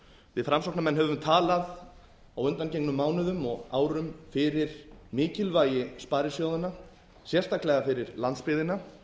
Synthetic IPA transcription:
vɪfɾamsoknamɛnːɦɛvʏmt̪ʰaːlað | awʏnt̪ancejknʏmːaːwnʏðʏmɔɣaːwɾʏmfɪɾɪɾ̥mɪːcɪlvaːjɪspaːɾɪsjowðana | sjɛr̥st̪ʰaklɛɣafɪɾɪɾlant̪spɪːðɪna

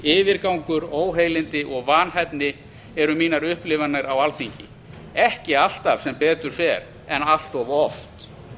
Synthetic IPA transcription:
ɪːvɪɾkawŋkʏɾoːwɦejlɪnt̪ɪʔɔɣvaːnɦajt̪nɪ | ɛɾʏmiːnaɾʏhplɪvanaɾawalt̪iɲcɪ̰ | ɛhcɪal̥t̪av̥sɛmpɛːt̪ʏɾ̥fɛɾ | ɛnal̥t̪ɔvɔft̪

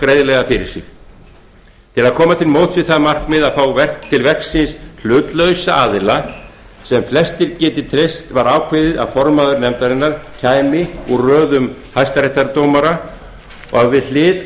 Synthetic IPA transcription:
kɾejðlɛɣafɪɾɪ̰ɾ̥sjɪ̰x | t̪ʰɪlaðkʰɔːmat̪ʰɪlmoːwt̪sɪθamar̥kmɪðaðfaːwvɛt̪ʰɪlvɛksɪnsl̥ʏːt̪lœɥsaʔa̰ːðɪla | sɛmflɛst̪ɪɾcɛːt̪ɪt̪ʰɾɪst̪vaɾaːwkʰvɪːðɪða̰fɔɾmaðʏɾnɛmt̪aɾɪnːaɾ̥cʰaːjmɪurœːðʏmhajst̪aɾɛht̪aɾt̪owmaɾa | ɔɣaðvɪðlɪːt̪

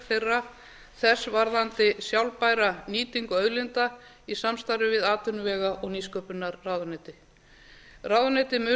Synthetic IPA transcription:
θejrːa | θɛsːvaɾðant̪ɪsjawlpajɾaniːt̪iŋkɔœðlɪnt̪a | isamst̪aɾʏvɪðaːt̪ʏnʏvɛːɣaʔɔɣniːskœpʏnːaɾːawðʏnɛt̪ɪ | rawðanɛt̪ɪmʏ

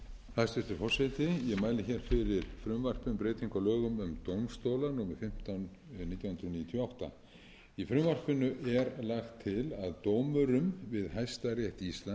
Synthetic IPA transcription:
θast̪ɛft̪ʏɾfɔr̥sɛjt̪ɪjɛmaːjlɪçɛːɾ̥fɪɾɪɾ̥fɾʏmvar̥pʏnpɾeːt̪iŋkalœːɣʏmʏmt̪owmst̪oːwlanuːmɪfɪm̥t̪an | niːt̪jawhʏnd̪ɾʏniːjɪt̪ʰjɔawht̪a̰ | ifɾʏmvar̥pɪnʏʔɛɾlaxt̪ʰːɪlaðt̪oːwmʏɾʏmvɪðɦajst̪arjɛht̪ist̪la

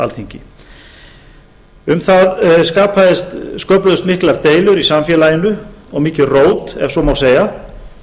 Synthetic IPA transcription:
a̰lθiɲcɪ | ʏmθaðskaːpʰaðɪst̪skœplʏðʏst̪mɪhklaɾt̪eːjlʏɾisamfjɛːlajɪnʏɔɣmiːcɪroːwt̪ɛfsɔmawseːja

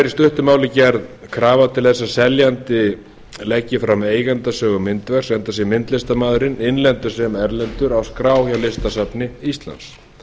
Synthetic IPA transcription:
ɾist̪ʏht̪ʏmaːwlɪcɛɾðkʰɾaːvat̪ʰɪlθɛsːasɛljant̪ɪ | lɛcːɪfɾameːjɣant̪asœːɣʏmɪnt̪vɛɾ̥sɛnt̪asjɛmɪnt̪lɪst̪amaːðʏɾɪnɪnlɛnt̪ʏ̥sɛmɛɾlɛnt̪ʏɾawskɾaːwçawlɪst̪asapnɪist̪la̰ns

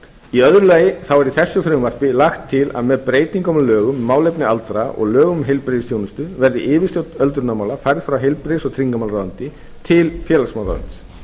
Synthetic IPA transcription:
iœðɾʏlaːjɪθawɛɾiθɛsːʏfɾʏmvar̥pɪlaxt̪ʰːɪla̰ðmɛðpɾeːjt̪iŋkɔmlœːɣʏmːaːwlejpnɪalt̪ɾaʔɔ̰ɣlœːɣʏmɦejlpɾeðɪsθʰjownɪst̪ʏvɛɾðɪ̰ʔɪːvɪ̥st̪œlt̪ʏɾnamaːwlafajɾðfɾawɦejlpɾesɔɣt̪ʰɾiŋkamawlɾaːvant̪ɪ | t̪ʰɪlfjɛːlasmawða̰va̰ns

